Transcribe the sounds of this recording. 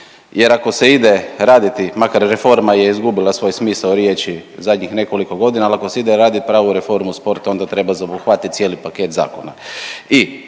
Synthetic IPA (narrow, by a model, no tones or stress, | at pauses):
je̞ɾako̞se̞id̪e̞ɾaːd̪it̪imakaɾːefo̞ɾmaje̞izɡubilˠasʋo̞jsmiːsaɾje̞t͡ʃizad̪ɲixne̞ko̞liko̞ɡo̞d̪inalakoseid̪eɾaːd̪it̪̚pɾaːʋuɾefo̞ɾmuspo̞ɾt̪ao̞nd̪at̪ɾe̞bazabuxʋat̪it̪̚sje̞ːlipake̞t̪za̰ːko̞nai